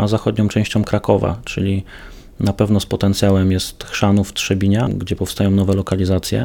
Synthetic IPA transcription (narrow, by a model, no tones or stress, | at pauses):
azaxɔd̪ɲɔ̃wt͡ʂɛ̃w̃ɕt͡ɕɔ̃w̃kɾakɔva̰t͡ʂɘ̰lʲi | napɛvnɔspɔt̪ɛnt̪sʲjawɛmjɛst̪xʂanuft̪ʂɛbʲiɲaɡd͡ʑɛpɔfst̪ajɔ̃w̃nɔvɛlɔkalʲizat̪sʲjɛ̰